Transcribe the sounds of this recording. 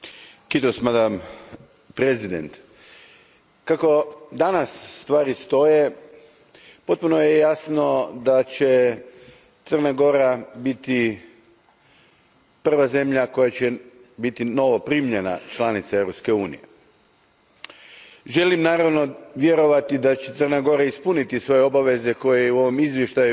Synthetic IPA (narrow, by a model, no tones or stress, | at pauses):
kit̪osmad̪am | pɾezid̪ḛnt̪ | kako̞d̪anasːt̪ʋaːɾist̪o̞je̞ | po̞t̪̚punojejasno̞d̪at͡ɕe̞ | t̪sər̩naɡo̞ɾabit̪i | pr̩ʋaze̞mʎako̞jat͡ɕe | bit̪ino̞ʋo̞pɾiːmʎena̰t͡ʃlanit̪sae̞ʋɾo̞pske̞uːnḭje̞ | ʒe̞limnaːɾaʋno̞ʋje̞ɾo̞ʋat̪id̪at͡ɕe̞t̪ərnaɡo̞ɾaispunit̪isʋo̞jeo̞baʋe̞ze̞ko̞jejeuo̞ʋomizʋjeʃt̪aju